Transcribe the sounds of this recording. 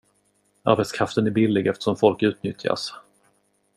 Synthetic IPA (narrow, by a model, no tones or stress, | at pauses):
a̰ɾbɛt̪skʰɾaft̪ənæɾbɪlːɪɡɛft̪ə̥ʂɔmfɔlkʉ̟ːt̪̚nʏt̪ʰja̰s